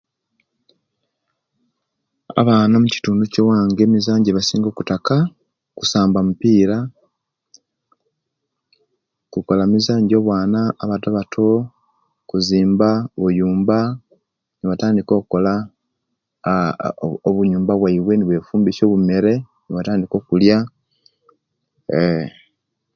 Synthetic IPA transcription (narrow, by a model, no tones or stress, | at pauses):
a̰βaːnamuci̥tuːnducowaːŋɡeːmizaːɲɟeβasiːŋɡo̞ːku̥taka | kusaːmbamupiːɾa | kuko̞lamizaːɲɟo̞ːβwaːnaːβataβatʰo̞ | kuziːmbaβujuːmba | niβataːndiko̞ːkuko̞la | oβuɲuːmbaβwaiβwe̞niβwe̞fuːmbiso̞ːβume̞ɾe̞ | niβataːndiko̞ːkulja